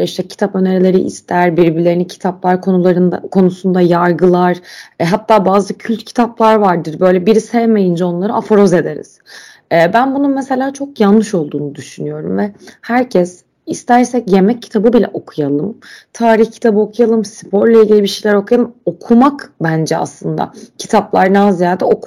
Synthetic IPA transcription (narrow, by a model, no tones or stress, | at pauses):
iʃt̪ʰɛcʰi̥t̪ʰapøneɾilʲe̞ɾiʔḭst̪ʰæɾbiɾbilʲe̞ɾinicʰi̥t̪ʰaplˠaɾkʰonuaɾɯnd̪a̰kʰo̞nusund̪ajaɾɡɯlˠaɾ̥ɦat̪ʰːaːbaːzɯcʰylʲt̪cʰi̥t̪ʰaplˠaɾvaɾd̪ɯɾbø̞jlʲɛbiɾisɛvme̞jind͡ʒɛo̞nlˠaɾɯafoɾo̞ze̞d̪e̞ɾḭz̥ | ɛːbænbununmese̞lʲaːt͡ʃʰo̞kjanːɯʃo̞lˠd̪uːnud̪yʃynyjo̞ɾumvɛhæɾcʰɛs | ist̪ʰæɾsɛcje̞mɛcʰːi̥t̪ʰabɯbilʲɛ̰ʔo̞kʰujalˠɯmt̪ʰaːɾiçcʰi̥t̪ʰabɯo̞kʰujalˠɯmspʰo̞ɾlʲˠailʲɟʲilʲibiʃejlʲæɾo̞kʰujalˠɯmo̞kʰumakbænd͡ʒɛa̰slˠɯnd̪a̰cʰi̥t̪ʰaplˠaɾnaazijaːd̪ɛoku